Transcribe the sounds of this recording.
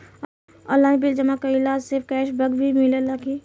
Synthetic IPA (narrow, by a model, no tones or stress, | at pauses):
ɔːlaːbild͡ʒɐmakailaːd͡ʒsɪɾfkɛːʃbɐɡbʱimilelaki